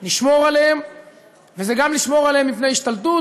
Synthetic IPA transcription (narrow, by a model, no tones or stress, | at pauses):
niʃmo̞ʁaleem | vezeɡamliʃmo̞ʁaleemːipne̞jiʃt̪alt̪u